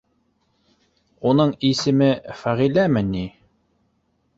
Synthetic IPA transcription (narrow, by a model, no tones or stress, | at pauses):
unɤɴisɘ̆mɘfæʁilæmɘnːi